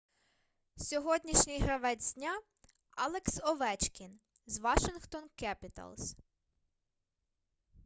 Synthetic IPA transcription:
sʲɔɦɔdʲnʲiʃnʲɪjɦɾɐʋɛd͡zʲd̪ʲnʲa | ɑlˠeksɔʋɛt͡ʃkʲin | zʋɑʃɪnxt̪ɔnkɛpʲɪt̪ɐ̰lˠs

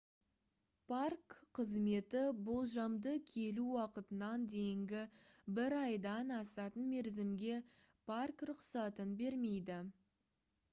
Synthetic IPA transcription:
pʰarkqʰəzme̞t̪ɪbolˠʒɑmd̪əkʲʰe̞luwɑqət̪ənɑnd̪e̞jɪŋɡʲɪbɪɾɑjd̪ɑnɑsɑt̪ənme̞ɾzɪmɡʲe̞ | pʰarkɾʊqsɑt̪ənbe̞ɾme̞jd̪ɪ

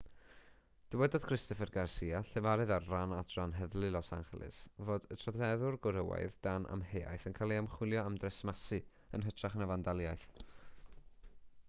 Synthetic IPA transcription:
d̥əwɛdɔð̥kʰrɪstɔfɛrɡarsiːaɬɛvaɾɨðarranatɔnɦɛðlɨlɔsa̰nχlˠɨ̰svoːdətʰrɔθɛðʊrɡʊɾəwa̰jðd̥anʔa̰mheːa̰jθənkʰalˠiamχwɪlˠjɔamdrɛsmasɨ | ə̰nɦətʰraχnavandalˠjajθ

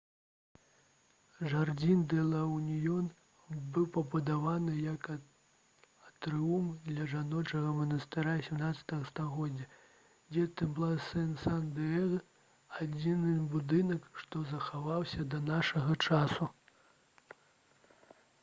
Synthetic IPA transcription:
ʐard͡zʲind̪ɛlˠɐwnʲijɔn | bɨwpɐpɐd̪avanɨjɐk | ɐt̪ɾɨumd̪lʲɐʐanɔt͡ʂɐɣɐmɐnɐst̪ɨɾasʲɛmnat̪sʲɐ̥t̪ɐɣɐst̪aɣɔdd͡zʲːɐ | d͡zʲɛt̪ɛblˠasɛnsand̪ɛɛɣ | ad͡zʲinɨbud̪ɨnɐkʂt̪ɔzɐxavawsʲɐd̪ɐnaʂɐɣɐt͡ʂasu

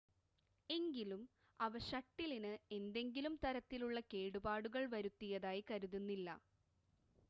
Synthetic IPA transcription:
e̞ŋɡilum | ɐʋɐɕɐʈːilinɨe̞nd̪e̞ŋɡilumt̪ɐɾɐt̪ːiluɭːɐke̞ːɽubaːɽuɣɐɭʋɐɾut̪ːijɐðaːjikɐɾuðunːilːɐ̰

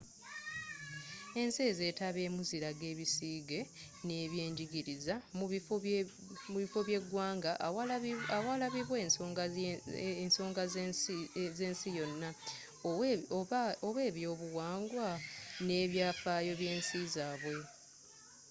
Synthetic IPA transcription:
e̞nse̞ze̞ːtaβe̞ːmuziɾaɡe̞ːβisiːɡe̞ | ne̞βje̞ːɲɟiɡiɾizamu | muβifo̞βje̞ɡwaːŋɡaʔawalaβiβweɡ | nso̞ːŋɡa | zeːnsijo̞nːa | oβwe̞ːβjo̞ːβuwaːŋɡwane̞ːβjaːfaːjo̞βje̞ːnsizaːβwe̞

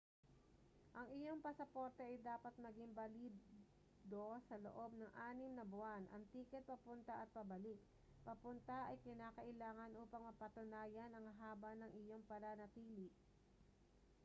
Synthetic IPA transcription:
ʔɐŋɪjo̞ŋpɐsɐpo̞ːɾt̪ɛʔɐjd̪aːpɐt̪̚mɐɡɪŋbɐliː | d̪o̞sɐlo̰ʔo̞b̚nɐŋʔaːnɪmnɐbʊanʔɐ̰ŋt̪iːkɛt̪̚pɐpʊnt̪aʔɐt̪̚pɐbɐlɪk̚ | pɐpʊnt̪ɐʔɐjkɪnaːkɐʔɪlaːŋɐnʔuːpɐŋmɐpɐt̪ʊnaːjɐnɐŋɦaːbɐnɐŋʔɪjo̞ŋpɐnanɐt̪iːlɪʔ

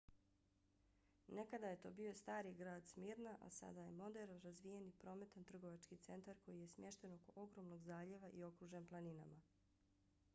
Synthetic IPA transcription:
ne̞kad̪aje̞t̪o̞̰ːbio̞st̪aːɾiɡɾaːd̪smiːɾnaʔa̰sa̰d̪aje̞mo̞d̪eɾɾazʋije̞nipɾo̞me̞t̪ant̪r̩ɡo̞ʋat͡ʃkit̪se̞nt̪aɾko̞jije̞smʲje̞ʃt̪e̞no̞ko̞ʔo̞ɡɾo̞mno̞ɡzaːʎe̞ʋaʔio̞kɾuʒemplˠanina̰ma

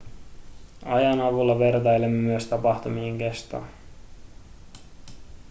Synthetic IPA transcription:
ɑjɑnɑʋulːɑʋert̪ɑjlemːemyøst̪ɑpɑxt̪umieŋke̞st̪o̰ː

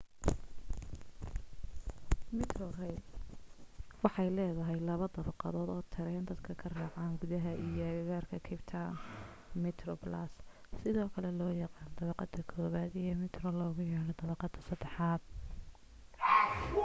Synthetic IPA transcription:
mɪt̪ʰrɔrɛjd̪ | wɑħɑjlɛːðɐɦɛjlɐβɐd̪ɐβɑqɑ̰ðɔːd̪ɔːt̪ʰɪɾɛjnd̪ɐd̪kʰɐkʰɐraːʕɑːŋɡʊðɐɦɐʔijɔɣaːrkʰɐkʰɪbt̪ʰɐ | mɛt̪ʰɾɔbla̰ːsːɪðɔːkʰɐlɛlɔːjɑqɑːnd̪ɐβɑqɑd̪ɐkʰɔːβaːd̪ijɔmɪt̪rɔlɔːɣʊjɛːɽɔd̪ɐβɑqɑd̪ɐsɐd̪ɛħɑːd̪̚

